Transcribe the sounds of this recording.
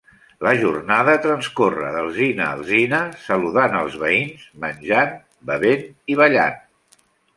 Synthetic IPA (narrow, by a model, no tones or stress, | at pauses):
ləʒurnaðət̪ɾənskorə̰ðəlˠzinə̰ːlˠzinəsəluðanəlˠzβəinzmənʲʒan | bəβeniβ̞əʎa̰n